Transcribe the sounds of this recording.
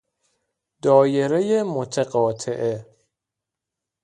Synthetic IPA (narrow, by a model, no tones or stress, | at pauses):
d̪ɒːjeɾejemot̪ʰeɢɒːt̪ʰeʔe